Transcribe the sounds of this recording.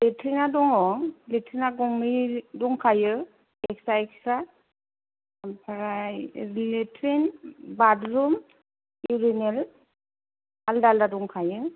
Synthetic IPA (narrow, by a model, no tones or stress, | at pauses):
letʰɾinadɔŋɔŋletʰɾinaɡɔŋmidɔŋkʰajɯ | ɛk̚saɛksa | pʰaɾajletʰɾinbadɾum | iɾinel | aldaldaduŋkʰajɯ